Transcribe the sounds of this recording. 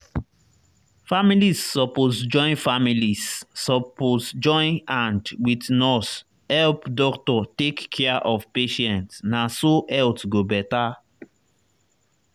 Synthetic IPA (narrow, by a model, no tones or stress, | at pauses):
familisːɔpozd͡ʒɔ̃ɪ̃nfamilisːɔpozd͡ʒɔ̃ɪ̃nãndwidnɔs | hɛlpdɔktɔtekːʰɛaʔɔvpeʃɛ̃ntsnasoɛltɡobɛta